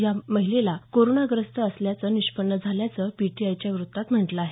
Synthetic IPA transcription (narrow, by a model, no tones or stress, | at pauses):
jaməɦilelakoɾonaɡɾəst̪əːsljat͡səniɕpəɳːəd͡zʱaljat͡səpiʈiajt͡ɕjaʋɾut̪ːat̪m̤əʈləaɦe